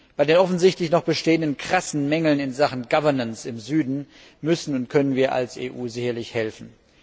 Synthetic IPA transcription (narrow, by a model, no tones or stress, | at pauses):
b̥aɪdeːnʔɔfn̩zɪçtlɪçnɔχb̥əʃteːəndənkʁ̥asn̩mɛŋl̩nɪnzaχn̩ɡavɐɐnənsɪmzyːdn̩ | mʏsn̩ʊntkʰœnənviːɐʔa̰lsḛːʔuːzɪçɐlɪçhɛlfn̩